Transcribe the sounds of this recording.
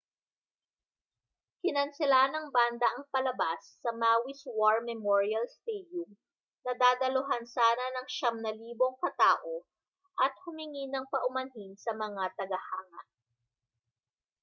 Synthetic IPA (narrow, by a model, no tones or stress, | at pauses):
kɪnɐnsɪlanɐŋband̪ɐʔɐŋpɐlɐbasːɐmaːwiswaɹmɛmoɹiɐlst̪ɛd̪jʊm | nɐd̪aːd̪ɐlʊɦansaːnɐnɐŋʃɐmnɐliːbo̞ŋkɐt̪aːʔo | ʔɐt̪̚hʊmɪŋinɐŋpɐʔʊmɐnɦinsɐmɐŋat̪ɐɡɐhaːŋɐ̰ʔ